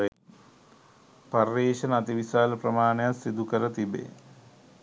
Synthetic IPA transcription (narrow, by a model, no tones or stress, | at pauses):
parːeːʃənat̪iʋisaːləprəmaːnejasːid̪ukəɾət̪ibḛː